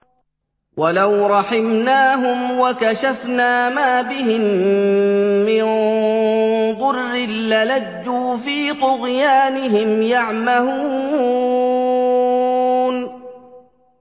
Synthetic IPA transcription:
walawɾˤɑħɪmnaːɦʊmwakaʃafnaːmaːbɪɦɪm | ɪn | d̪ˤʊrːɪːalad͡ʒːuːfiːt̪ʊɣjaːnɪɦɪmjaʕmahuː | n

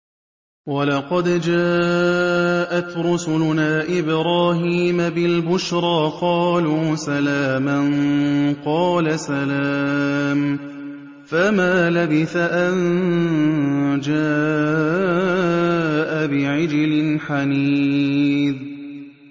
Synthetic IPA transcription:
wɑlɑqɑd̪d͡ʒaː | ʔat̪ɾʊsʊlʊnaːʔɪbɾaːɦiːmabɪlbʊʃɾˤɑːqɑːluːsalaːmanqɑːlasalaːm | famaːlabɪθaʔan | d͡ʒaː | ʔabɪʕɪd͡ʒɪlɪnħaniː | d̪

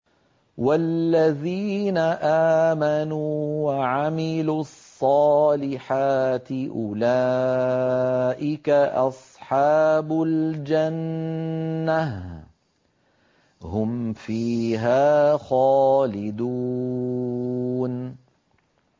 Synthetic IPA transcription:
walːaðiːnaʔaːmanuːwaʕamɪluːɑsˤːɑːlɪħaːt̪ɪʔʊla | ʔɪkaʔɑ̰sˤħɑːbʊld͡ʒanː | a | hʊmfiːɦaːxaːlɪd̪u | n

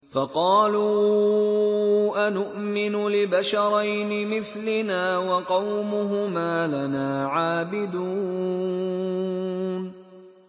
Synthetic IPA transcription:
fɑqɑːluː | ʔanʊʔmɪnʊlɪbaʃɑɾˤɑjnɪmɪθlɪnaːwɑqɑwmʊɦʊmaːlanaːʕaːbɪd̪uː | n

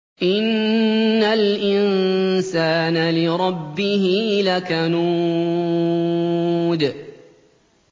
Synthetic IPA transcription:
ʔɪnː | alʔɪnsaːnalɪɾˤɑbːɪhɪlakanu | d̪

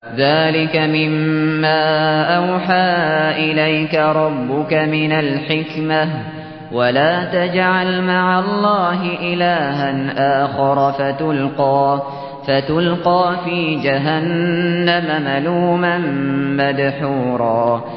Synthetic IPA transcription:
ðaːlɪkamɪmːaːʔawħaːʔɪlajkaɾˤɑbːʊkamɪnalħɪkma | walaːt̪ad͡ʒʕalmaʕalˤːɑːɦɪʔɪlaːɦanʔaːxɪɾˤɑfat̪ʊlqɑː | fat̪ʊlqɑːfiːd͡ʒaɦanːamamaluːmanmad̪ħuːɾˤɑː

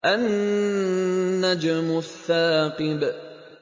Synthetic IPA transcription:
ʔan | ad͡ʒamʊθːaːqɨb

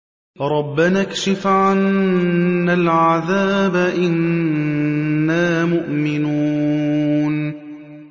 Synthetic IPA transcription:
ɾˤɑbːanakʃɪfʕanː | alʕaðaːbaʔɪn | aːmʊʔmɪnuː | n

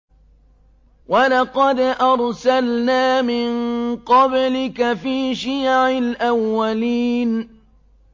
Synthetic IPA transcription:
walɑqɑd̪ʔɑɾˤsalnaːmɪnqɑblɪkafiːʃɪjʕɪlʔawːaliːn

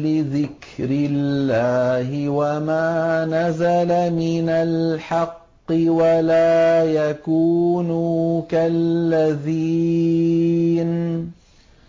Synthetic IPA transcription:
lɪðɪkɾɪlːaːhɪwamaːnazalamɪnalħɑqːɨwalaːjakuːnuːkalːaðiː | n

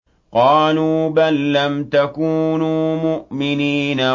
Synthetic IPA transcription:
qɑːluːbalːamt̪akuːnuːmʊʔmɪniːna

